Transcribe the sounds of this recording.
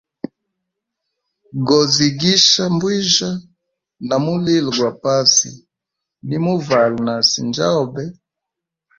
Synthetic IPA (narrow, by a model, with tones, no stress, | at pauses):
ɡɔ˨zi˨ɡi˦ʃa˦mbwi˦ʒa˦ | na˨mu˦li˦lɡwa˨pa˦sḭ˨ | ni˦mu˦va˨lna˨sḭ˨nd͡ʒa̰˦ɔ˦˨bɛ˦